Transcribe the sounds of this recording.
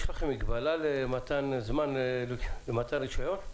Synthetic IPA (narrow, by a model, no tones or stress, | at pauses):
ʃlaχimiɡbalalemat̪anzmanllemat̪anɾiʃajon